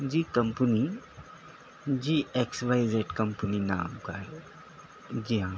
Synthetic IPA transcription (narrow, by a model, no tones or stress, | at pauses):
d͡ʑiːkəmpəni | d͡ʑiːeksʋajzeʈkəmpənina̰ːmka̰ɦe | d͡ʑiɦã